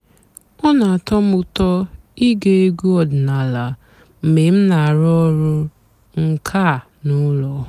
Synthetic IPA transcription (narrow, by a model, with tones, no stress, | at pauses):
ɔ˦na˨a˨tɔ˦mʊ˨tɔ˦i˦ɡe˦e˦ɡu˦ɔ˦dna˨la˨ | m̩˨me˨m̩˦na˨a˨ɾɔ˦ɾʊ˦ | ŋ̩˦kʰa˦˨ | nu˦lɔ˨